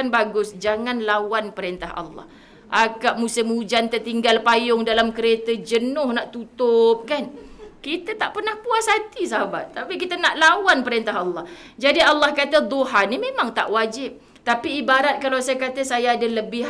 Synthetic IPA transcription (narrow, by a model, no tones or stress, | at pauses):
anbaɡʊsd͡ʒaŋanlawanpəɾent̪aɦa̰lːɑ̰h | ʔakaʔ̚musɪmud͡ʒant̪ərt̪iŋɡalpajʊŋdalamkəɾet̪əd͡ʒənʊhnaʔt̪ut̪ʊp̚kankit̪ət̪aʔpərnahpuasat̪is̬aɦaba̰t̪ːapik̬it̪ənaʔlawanpəɾent̪aɦɑlːɑhd͡ʒadialːɑhkat̪əd̪oɦanimẽmaŋt̪a̰ʔwad͡ʒɪp̚ | t̪apiːbaɾat̪̚kalawsajakat̪əsajaːdaləbɪ